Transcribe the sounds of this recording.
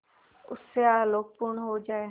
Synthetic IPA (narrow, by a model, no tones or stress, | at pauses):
ʊsːeaːloːk̚pʊɾɳɦod͡ʒaːe